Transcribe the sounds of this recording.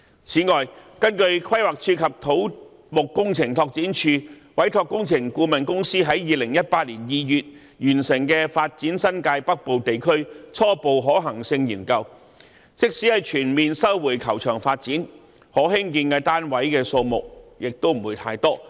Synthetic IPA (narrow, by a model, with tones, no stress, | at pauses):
t͡sʰiː˨˥ŋɔː˨jkɐ˥nkɵ˧ɥkʰwɐ˥jwaː˨k̚t͡ʃʰyː˧kʰɐ˨p̚t̪ʰo˨˥w | mʊ˨kːʊ˥ŋt͡sʰɪ˨˩ŋt̪ʰɔː˧k̚t͡siː˨˥nt͡ʃʰyː˧ | wɐ˨˥jt̪ʰɔː˧kːʊ˥ŋt͡sʰɪ˨˩ŋkuː˧mɐ˨nkʊ˥ŋsiː˥ɦɐ˨˥jjiː˨˧lɪ˨˩ŋjɐ˥t̚paː˧t̚liː˨˩njiː˨˧jyː˨t̚ | jyː˨˩nsɪ˨˩ŋkɛː˧faː˧t̚t͡siː˨˥nsɐ˥nkaː˧jpɐ˥k̚po˨wt̪e˨jkʰɵ˥ɥt͡sʰɔː˥po˨wɦɔː˨˥ɦɐ˨˩ŋsɪ˧ŋjiː˨˩nkɐ˧w | t͡sɪ˥k̚siː˨˥hɐ˨˧jt͡ʃʰyː˨˩nmiː˨nsɐ˥wwuː˨˩jkʰɐ˨˩wt͡ʃʰœː˨˩ŋfaː˧t̚t͡siː˨˥n | hɔː˨˥ɦɪ˥ŋkiː˧nkɐ˧t̪aː˥nwɐ˨˥jkɛː˧so˧wmʊ˨k̚jɪ˨k̚t̪o˥wm̩˨˩wuː˨˧jt̪ʰaː˧jt̪ɔː˥